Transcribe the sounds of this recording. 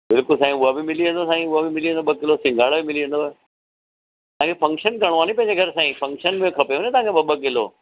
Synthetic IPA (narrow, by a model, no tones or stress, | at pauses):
bɪlkʊlsaːĩʊabɪmɪliʋə̃nd̪osaːĩʊabɪmɪliə̃nd̪obɐkɪlosɪ̃ŋɡʱaːɽbɪmɪliə̃nd̪o | t̪ɐãkʰefɐ̃ŋkʃənkɐɽ̃oʋaːnipɐ̃ɪ̃ɲd͡ʑeɡʱɐɾsãːĩfʰɐ̃ŋkʃənmẽkʰɐpejoːnẽt̪ɐ̃ãŋkʰeɓɐbɐkɪloː